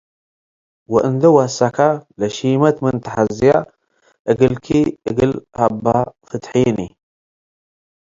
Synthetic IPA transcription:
wɔʔɨnd̪ɐwasakʰalɐʃimɐt̪mɨnt̪ʰɐħazija | ʔɨɡɨlkʰiʔɨɡɨlhabːafɨt̪ħini

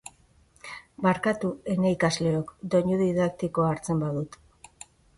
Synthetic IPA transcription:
baɾkat̪ue̞neikazle̞okd̪o̞ɲuðiðak̚t̪iko̞aɾt͡se̞mbaðut̪

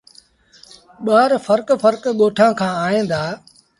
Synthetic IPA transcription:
ɓaːɾfəɾkfəɾkɠoːʈʰãːkʰãːaːɦẽːnd̪aː

